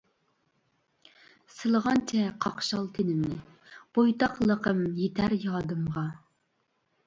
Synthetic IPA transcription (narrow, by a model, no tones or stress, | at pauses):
sɨlˠəʁɑnt͡ʃʰɛqʰɑqʃɑlˠt̪ʰɪnɪmnɪ | b̥ojt̪ʰɑqlˠəqʰəmjet̪ʰæɾjɑːd̪ɨmʁɑ